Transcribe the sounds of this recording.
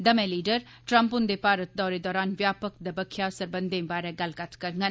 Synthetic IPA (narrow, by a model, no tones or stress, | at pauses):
d̪əmẽliːɖəɾ | ʈɾə̃mpʊnd̪eːpaːɾət̪̚d̪ɔːɾed̪ɔːɾaːnʋjaːpək̚d̪əbəkʰːjasəɾbənd̪ẽːbaːɾɛːɡəlkət̪ʰkəɾŋɡən